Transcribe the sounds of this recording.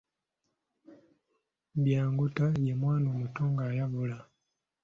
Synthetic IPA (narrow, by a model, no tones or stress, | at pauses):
bjaːŋɡutajemwaːnoːmutoːŋɡaːjaβula